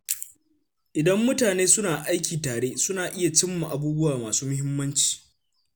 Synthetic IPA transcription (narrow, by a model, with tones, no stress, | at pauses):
ʔɪ˨dɐ˦mːʊ˦taː˨neː˦sʊ˦naː˨ʔa˦jkʲiː˨taː˨ɽeː˦sʊ˦naː˨ʔɪ˦ja˨t͡ʃɪ˦mːa˨ʔa˨buː˦bʊ˦waː˨maː˨suː˦mʊ˦ɦɪ˦mːɐ˦nt͡ʃi̥ː˨